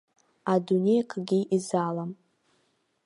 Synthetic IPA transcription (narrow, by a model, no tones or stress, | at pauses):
adune̞jkʰɡʲiʔizalam